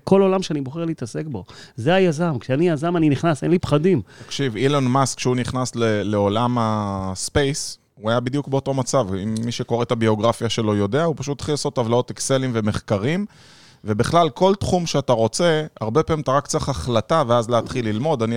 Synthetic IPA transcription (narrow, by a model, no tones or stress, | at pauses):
ko̞lo̞lamʃeaniboχe̞ʁliit̪ase̞kbo̞zeajazamkʃeanijazamaniniχnasenlipχadimatkʃivilonmaskʃeuniχnasleleo̞lamaspe̞js | uajabid̪juk̚be̞o̞to̞mat͡savimːiʃe̞ko̞ʁet̪abio̞ɡʁafjaʃe̞lo̞jo̞deaupaʃut̪ːḁχilaso̞t̪havlao̞t̪ekse̞limve̞me̞χkaʁim | ve̞biχlalkʰo̞ltχumʃeataʁo̞t͡se̞a̰ʁbe̞paimt̪aʁakt͡saχaχlataveazleat̪χilːilmo̞d̪ani